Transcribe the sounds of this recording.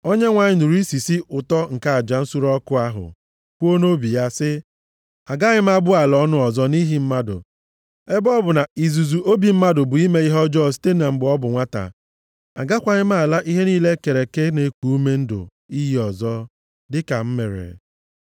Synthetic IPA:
o˦ɲe˦ŋʷa˨ɲɪ˦nu˨ɾi˦si˨si˦ʊ˨tɔ˦ŋ̩˨ka˦a˨d͡ʒa˨n̩˦su˦ɾɔ˦kʊ˦a˦ɦʊ̰˨ | kʷo˦no˦bi˨ja˦sɪ˦ | a˨ɡa˦ɲɪ˦m̩˦a˦bʊ˦a˨lɔ˦nʊ˦ɔ˨zɔ˦ni˦ɦi˨m̩˦ma˦dʊ̰˨ | e˦bɔ˦bʊ˨na˨i˨zu˨zu˨ʔo˦bi˨m̩˦ma˦dʊ˨bʊ˨i˦me˦i˦ɦɔ˦d͡ʒɔ˦˨s̬i̥˦te˦a˨m̩˦bʊ˨˦ɔ˦bʊ˨ŋʷa˦ta̰˨ | a̰˨ɡa˦kʷa˨ɲɪ˦m̩˦a˦˨la˦ʔi˦ɦe˦niː˦le˦ke˨ɾe˨ke˦ne˨˦kʷu˨u˦me˦n̩˦dʊ̰˨ | i˦ji˦ɔ˨zɔ˦ | dɪ˦ka˨m̩˦me˨ɾḛ˨

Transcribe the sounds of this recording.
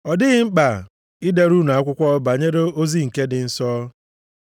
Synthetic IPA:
ɔ˨dɪ˦ɣɪ˦ŋ͡m̩˦k͡pa˨ | ɪ˦de˦ɾu˦na˨a˦kʷʊ˦kʷɔ˦ba˨ɲe˦ɾe˦o˦zi˦ŋ̩˨ke˦dɪ˨n̩˦sɔː˦

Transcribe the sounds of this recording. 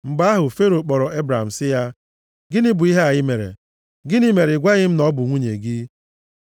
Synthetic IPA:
m̩˨ba˦a˦ɦʊ˨fe˦ɾo˨k͡pɔ˨ɾɔ˨ʔe˦bɾa˨a̰˨m̩˨sɪ˦ja˦ | ɡɪ˦nɪ˦bʊ˨i˦ɦe˦a˨ɣɪ˦me˨ɾḛ˨ | ɡɪ˦nɪ˦me˨ɾe˨ɡʷa˦ɣɪ˦m̩˦nɔ˦bʊ˨ŋʷu˦ɲḛ˨ɡi˦

